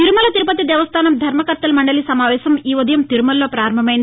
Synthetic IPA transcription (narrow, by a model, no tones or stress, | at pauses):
t̪iɾumɐlɐt̪iɾupɐt̪id̪ɛːʋɐst̪ʰaːnɐmd̪ʱɐɾmɐkɐɾt̪ɐlɐmɐɳɖɐlisɐmaːʋɛːsɐmiːʋɐd̪ɐjɐmt̪iɾumɐlːo̞ːpɾaːɾɐmbʱɐmɐjind̪i